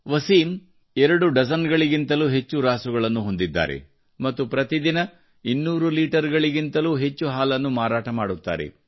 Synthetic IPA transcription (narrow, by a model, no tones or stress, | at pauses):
ʋɐsiːm | ɛɾɐɽuɖɐsɐnɡɐɭiɡint̪ɐluːɦe̞t͡ʃːuɾaːsuɡɐɭɐnːuɦo̞nd̪id̪ːa̰ːɾḛ | mɐt̪ːupɾɐt̪id̪inɐ | inːuːɾuliːʈɐɾɡɐɭiɡint̪ɐluːɦe̞t͡ʃːuɦaːlɐnːumaːɾaːʈɐmaːɽut̪ːa̰ːɾḛ